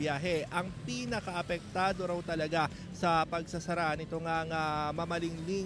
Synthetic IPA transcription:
jaːɦɛʔɐŋpiːnɐkɐʔɐpɛk̚t̪aːd̪o̞ɾɐwt̪ɐlɐɡa | sɐpɐɡsɐsɐɾaʔnɪt̪oŋɐŋɐmamɐlɪŋli

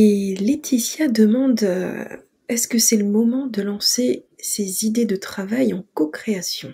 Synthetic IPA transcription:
elet̪ʰisjad̪əmɑ̃d̪̰ | ɛskəsɛləmɔmɑ̃d̪əlɑ̃sesezid̪ed̪ət̪χavajɑ̃kokχeasjɔ̃

